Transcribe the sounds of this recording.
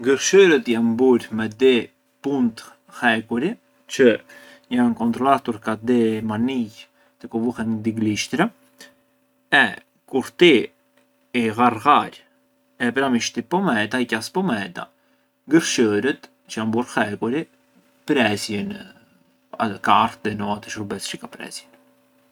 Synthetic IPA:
ɡəɾʃəɾət̪janbuɾmɛd̪ɛ | punt̪ | hɛkuɾi | t͡ʃə | jankɔnt̪ɾɔlat̪uɾkad̪ɛmanij | t̪əkɔvuhɛnd̪iɡliʃt̪ɾa | ɛ | kuɾt̪i | iɣarɣaɾ | ɛpɾamiʃt̪ipɔmɛt̪aicaspɔmɛt̪a̰ | ɡəɾʃəɾət̪ | t͡ʃəjanbuɾxɛkuɾi | pɾɛsjɛn | kaɾt̪̚d̪ɛnɔat̪əʃəɾbɛsʃikapɾɛ̰sjɛn

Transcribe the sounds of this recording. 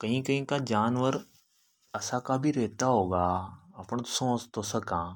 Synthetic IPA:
kɐɦĩkɐɦĩkad͡ʒaːnʋəɾ | ɐsãkabʱiɾɛːt̪aɦoːɡaːɐpɳ̃sõːt͡ʃt̪osɐkãː

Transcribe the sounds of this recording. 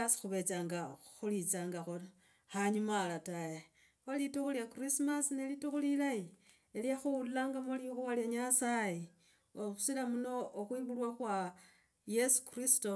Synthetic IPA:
asi̥xuβe̞t͡saŋɡaxulit͡saːŋɡaxo | haɲumalataje | xalituxuljakrismasnelituxulilaji | eljaxuullaːŋɡamolixuwaljaɲasaje | ousilamuno̞ːxwiβulwaxwa | je̞su̥kristo

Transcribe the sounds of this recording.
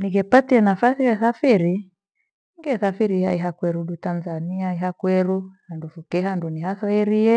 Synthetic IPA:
niɡɛpatianafaθijaθafiɾi | ŋɡɛθafiɾihaiɦakwɛɾuɗutanzaniaiɦakwɛɾuhandufukɛɦandunihaθɔiɾiɛ

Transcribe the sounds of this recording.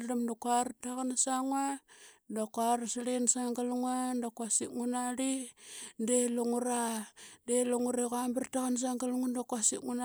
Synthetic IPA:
lamdakaɾtakanasaŋwadakoaɾasaɾinasaŋɡaluŋuandakwasiŋunaɾindeluŋuɾadeloŋuɾekambartakanas̬aŋɡaluŋandakwasḭŋuna

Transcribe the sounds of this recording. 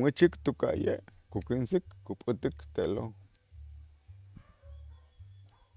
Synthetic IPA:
mwit͡ʃikt̪uka̰jḛʔkukinsikːupʼɨt̪ikt̪elo

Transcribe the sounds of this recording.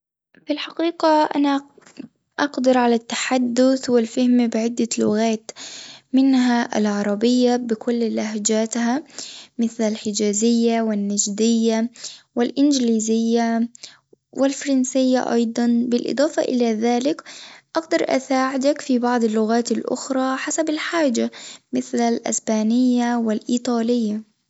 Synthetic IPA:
filħɑqiːqaʔana | ʔɑqd̪ɑɾˤʕalat̪ːḁħad̪ːʊθwɪlfahmbɪʕɪd̪ːalʊɣaːt̪mɪnɦaʔa̰lʕɑɾˤɑbɪjːabɪkʰʊlːlaɦd͡ʒaːt̪hamɪθlalħɪd͡ʒaːzɪjːawɪnːad͡ʒd̪ɪjːawɪlʔɪnd͡ʒliːzɪjːa | wʔɪlfɑɾˤɑnsɪjːa̰ʔɑ̰jd̪ˤɑnbɪlʔɪ̰d̪ˤɑːfɑ̰ʔɪlaðaːlɪkʔɑɡd̪ɑɾˤʔa̰saːʕɪd̪akfibɑʕd̪ˤɪlːʊɣaːt̪alʔʊ̰xɾˤɑːħasabalħaːd͡ʒamɪθlalʔa̰sbaːnɪjːawɪlʔiːt̪ˤɑːlɪjːa

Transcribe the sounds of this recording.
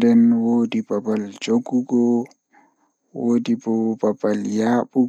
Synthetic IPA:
dɛnwoːdibabald͡ʒoɡuɡɔ | woːdibɔbabaljaːɓu

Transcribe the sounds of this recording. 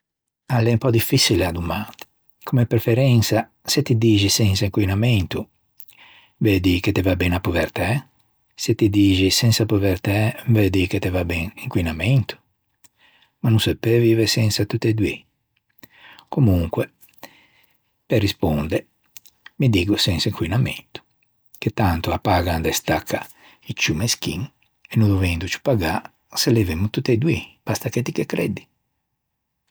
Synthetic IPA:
alɛmpɔd̪ifisilad̪umat̪ | kʰomɛpɾɛfɛɾɛnsa | set̪id̪id͡ʒisɛnsaiŋkwinament̪u | ved̪iket̪ɛvabɛnapuvɛɾt̪ɛ | set̪id̪iːd͡ʒisɛnsapuvɛɾt̪aved̪iket̪ɛvabɛŋiŋkwinament̪u̥ | manũsepevivesɛnsat̪ut̪ːed̪wi | komuŋkwɛ | pɛrːispond̪ɛ | mid̪iːɡusɛnsaiŋkwinamḛnt̪u̥ | ket̪ːant̪uapːaɡand̪ɛst̪akʰːa | it͡ʃːumeskiŋ | ɛnũd̪ovɛnd̪ut͡ʃu̥paɡa | selɛvemut̪ut̪ːed̪wipast̪aket̪ikekːɾɛd̪i̥

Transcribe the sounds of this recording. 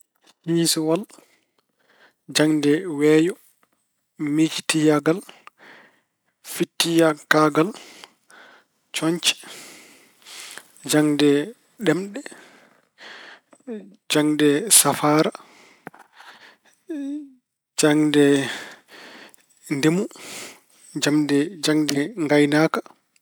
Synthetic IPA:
hiːsɔwal | d͡ʒaŋdɛwɛːjɔ | mid͡ʒi̥tijaɡal | fitːijakaɡal | t͡ʃɔɲt͡ʃi̥ | d͡ʒaŋdɛ | ɗɛmɗɛ | d͡ʒaŋdɛsafaːɾa | d͡ʒaŋdɛ | ndemu | d͡ʒamdɛd͡ʒaŋdɛŋɡajnaːka

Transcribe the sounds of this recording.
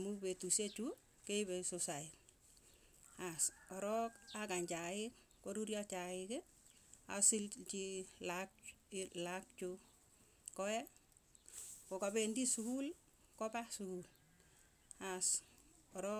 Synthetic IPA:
mubetuset͡ʃu | keibesosait | asɔɾɔkakaɲd͡ʒaɪk̚ | koɾuɾjat͡ʃaɪke | a̰silt͡ʃilaklak̚t͡ʃu | kɔɛ | kokabendisukul | kɔpasukul | as | ɔɾɔ

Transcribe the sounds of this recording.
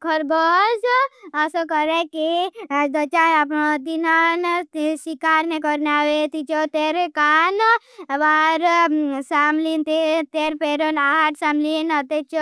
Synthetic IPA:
kʰəɾbɔd͡ʒəsokəɾekid̪ət͡ʃaapnod̪inanʃikaɾnekɔɾneaʋet̪it͡ʃot̪eɾekan | ʋaɾsamlint̪et̪eɾpeɾonaɦaʈ̪samlinət̪et͡ʃ

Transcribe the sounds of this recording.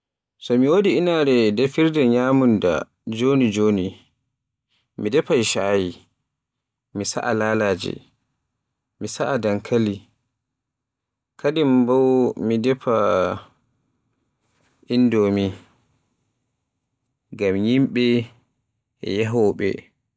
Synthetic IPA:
sɔmiwodiːnaɾɛdɛfiɾdɛɲaːmunda̰ | d͡ʒonid͡ʒoːni | midɛpaiʃaji | misa̰ʔalaːlaːd͡ʒɛ̰ | misaʔadaŋkʰali | kʰadimbawmidɛpʰa | ʔindɔmi | ɡamjimɓɛ | ɛ̰jaɦɔɓɛ̰

